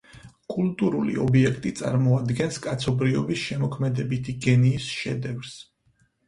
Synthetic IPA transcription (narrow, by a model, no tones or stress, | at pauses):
kʼulˠt̪ʼuɾulḭɔ̰biɛkʰt̪ʼit̪sʼa̰ɾmɔad̪ɡɛnskʼat̪sʰɔbɾiɔbisʃɛmɔkʰmɛd̪ɛbit̪ʰiɡɛniːsʃɛ̰d̪ɛvɾs